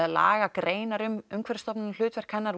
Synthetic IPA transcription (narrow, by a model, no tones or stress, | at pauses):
ðaðla̰ːɣakɾeːjnaɾʏmʏmkʰvɛɾst̪ɔpnɪnl̥ʏːt̪vɛr̥kʰɛnːaɾ